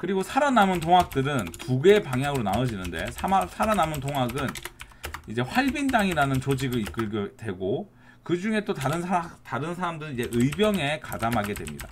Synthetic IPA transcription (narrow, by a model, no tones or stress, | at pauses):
kɯɾiɡosʰaɾanamɯntoŋak̚t͈ɯɾɯntuɡe̞ːpaŋɦjaɡɯɾonaɯd͡ʑinɯnde̞̰sʰaasʰaɾanamɯntoŋɦaɡɯn | id͡ʑe̞ɸwaɭbindaŋiɾanɯnt͡ɕod͡ʑiɡɯɭik͈ɯɭɡjodwe̞ɡo | kɯd͡ʑuŋe̞t͈otaɾɯnʰaataɾɯnsʰaɾamdɯɾɯid͡ʑe̞ʔɯibjʌŋe̞kadamɦaɡe̞dwe̞̰mɲḭda̰